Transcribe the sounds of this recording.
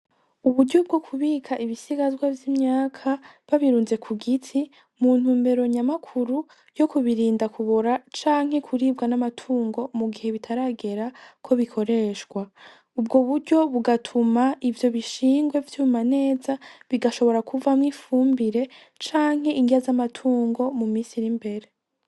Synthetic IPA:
uβuɾɟob̚ɡo̞kʰuβiːkʰaʔiβisiɡazɡwavjimɲaːkʰa | βaβiɾuːnze̞kʰuɡitʰi | muːn̥uːmbe̞ɾo̞ɲamakʰuɾu | jo̞kuβiɾiːndakʰuβoɾat͡ʃaːŋ̥he̞kʰuɾiːbɡanamatʰuːŋɡo̞muɡihe̞βitʰaɾaɡe̞ɾakʰo̞βikʰo̞ɾe̞ʃɡwa | ubɡoβuɾɟo̞βuɡatʰumaivjo̞βiʃiːŋɡwe̞vjuːmane̞ːzaβiɡaʃo̞βo̞ɾakʰuvamŋiːfuːmbiɾe̞ | t͡ʃaːŋ̥ɦe̞ʔiŋɡiazamatʰuːŋɡo̞mumiːsiɾimbe̞ɾe̞

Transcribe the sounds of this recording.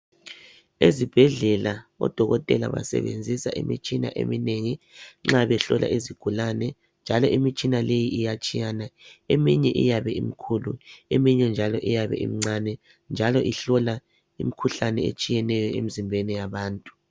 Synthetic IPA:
ezib̥ʱɛɮɛlaɔ̰d̥ʱɔɣɔtʼɛla̰βa̰sɛ̰βend͡zʱisaʔḭmḭt͡ʃʼina̰ʔḛmineŋi | ŋ͡ǁaβɛɬɔlʔa̰ʔiziɡ̥ʱulanɛ | nd͡ʒʱalɔʔimit͡ʃʼinalejiijat͡ʃʼijanaemiɲɛʔḭjaβɛimikʰuluemiɲɛnd͡ʒʱalɔʔijaβɛ̰ʔḭm̩ŋ͡ǀanɛ | nd͡ʒʱalɔʔiɬɔla | ḭmikʰuɬanɛḛt͡ʃʼijɛnɛjɔemizimbʱɛnɛjaβaːntʼu̥

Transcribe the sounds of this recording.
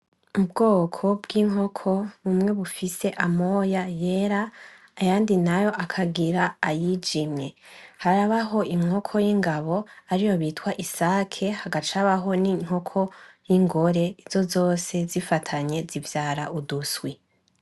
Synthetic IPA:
ubɡo̞ːkʰo̞b̚ɡiŋ̥ɦo̞kʰo̞βumŋe̞βufise̞ʔamo̞jaje̞ɾaː | jaːndinajo̞ʔakʰaɡiɾaːjid͡ʒimɲe̞haɾaβaɦo̞ʔiŋŋ̥okʰo̞jiŋɡaβo̞aɾijo̞βitkwaʔisaːkʰe̞haɡat͡ʃaβaɦo̞niŋ̥ho̞kʰo̞jiŋɡo̞ɾe̞iz̥o̞zo̞ːse̞zifatʰaɲe̞zivjaːɾaʔuduswi

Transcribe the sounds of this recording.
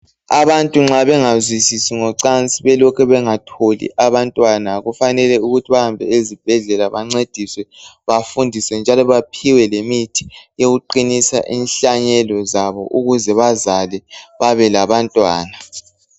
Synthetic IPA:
aβantʼuŋ͡ǁaβɛŋazwisisiŋɔǀant͡sʼiβɛlɔkʰɛβɛŋatʰolḭʔaβantʼwanaɣufanɛlɛuɣutʰiβahambʱɛ̰ezib̥ʱɛɮɛlaβaŋ͡ǀed̥ʱiswɛβafundʱisɛnd͡ʒʱalɔβapʰiwɛlemitʰi̥joɣuǃinisa̰ʔiːnɬaɲɛlɔzaβɔ̰ʔuɣuzɛβazalɛβaβɛlaβantʼwa̰ːna

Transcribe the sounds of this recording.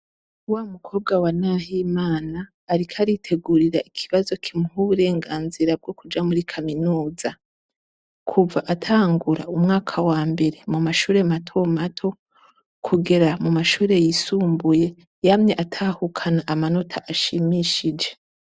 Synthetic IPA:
uwaːumukʰo̞ːb̚ɡawanaːɦimaːnaː | ɾikʰaɾitʰe̞ɡuɾiɾaʔikʰiβazo̞kʰimuhuβuɾe̞ːŋɡaːnziɾab̚ɡo̞kud͡ʒamuɾikʰaminuːza | kʰuvaʔatʰaːŋɡuɾa̰umŋaːkʰawaːmbe̞ɾemumaʃuːɾe̞matʰo̞matʰo̞ | kʰuɡe̞ɾamumaʃuːɾe̞jisuːmbuje̞ | jamɲe̞ʔatʰaːhukʰanaʔamano̞tʰaʔaʃimiʃid͡ʒe̞

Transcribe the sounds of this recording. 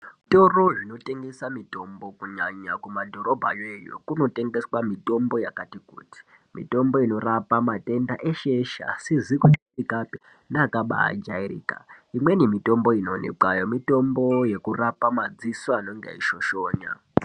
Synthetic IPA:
to̞roʐino̞te̞ŋɡe̞samito̞mbo̞kuɲaɲakumadʱo̞ɾo̞bʱa̰jejo̰kuno̞te̞ŋɡe̞swamito̞mbo̞jakatikṵːti̥ | mḭto̞mbo̞ino̞rapamate̞ndaʔeʃe̞ʃa̰sizikutikutikapi | naːkaɓa̰a̰d͡ʒairḭːkaimwe̞nimito̞mbo̞ino̞nḛǃajo̞mito̞mbo̞je̞kurapamad͡ziswanoŋɡḛiʃo̞ʃo̞ːɲa̰

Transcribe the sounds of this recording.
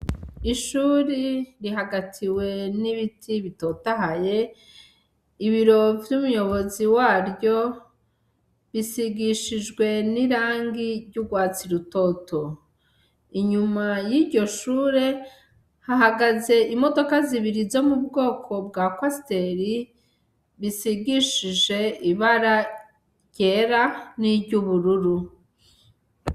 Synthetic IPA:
iʃuːɾiɾiɦaɡatʰiwe̞niβitʰiβito̞taɦaje̞ | iβiɾo̞vjumujo̞βo̞ziwaːɾɟo̞ | βisiɡiʃid͡ʒɡwe̞niɾaːŋɡiɾɟuɡwaːt͡siɾuto̞tʰo | iɲumajiɟo̞ʃuːɾe̞ | haɦaɡaze̞ʔimo̞do̞kaziβiɾizo̞mubɡo̞ːkʰo̞b̚ɡakwaste̞ɾi | βisiɡiʃiʒe̞iβaɾa | jɟe̞ɾaniɟuβuɾuɾu

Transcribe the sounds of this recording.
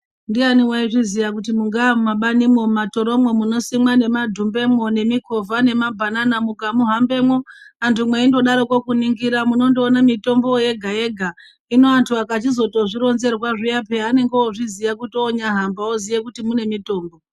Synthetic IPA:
ndianiwaiʐizijakutimuŋɡamaɓanimwo̞mato̞ɾo̞mwo̞muno̞simwane̞madʱumbe̞mwo̞ne̞miko̞vane̞mabʱananamukamuɦambe̞mwo̞antʰumwe̞indo̞ɗaɾo̞kwo̞kuniŋɡiɾamuno̞ndoːnamito̞mbo̞je̞ɡʱaje̞ɡʱa | ino̞antʰuakat͡ʃizo̞to̞ʐiɾo̞nze̞rwaʐijape̞ane̞ŋɡeoʐizijakutoːɲaɦambaozijekutimune̞mito̞ːmbo

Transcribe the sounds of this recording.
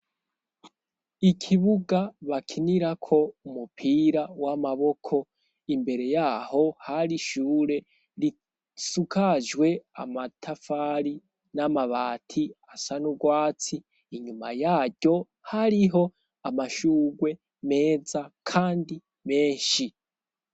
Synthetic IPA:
ikʰiβuɡaβakʰiniɾakʰo̞umupʰiːɾawamaβo̞kʰo̞ | imbe̞ɾe̞jaho̞haɾiʃuːɾe̞ | ɾi | sukaʒɡwe̞a̰matʰafaɾi | namaβaːtʰiasanuɡwaːt͡siː | ɲuma̰jaːɟo̞ | haɾiɦo̞ | amaʃuːɡwe̞ | me̞ːzakʰaːndi | me̞ːʃi

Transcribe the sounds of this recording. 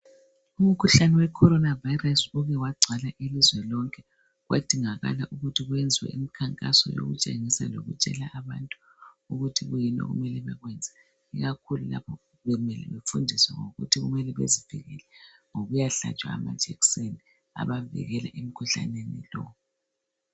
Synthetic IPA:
um̩kʰuɬanɛwɛkʰɔɾɔnavajrasuɣɛwaɡ͡ǀʱalaʔilizwɛlɔŋkʰʼɛ | ɣwa̰d̥ʱiŋaɣa̰laʔuɣutʰiɣwɛnd͡zʱiwɛ̰ʔimikʰaŋkʼasɔ̰jo̰ɣṵt͡ʃʼeŋisaloɣut͡ʃʼɛlaʔaβantʼu̥ | uɣutʰiɣujinɔ̰ɣṵmɛlɛβaɣwɛnd͡zʱa | iɣakʰulula̰pʰɔ | βɛmɛlɛ̰βefundʱiswɛŋoɣṵtʰiɣumɛlɛβḛziv̥iɣɛ̰lɛŋoɣujaɬa̰t͡ʃʼwa̰ːmad̥ʒ̥ʱɛkseni | a̰βavḭɣɛla̰ʔem̩kʰuɬa̰nenḭlɔ̰

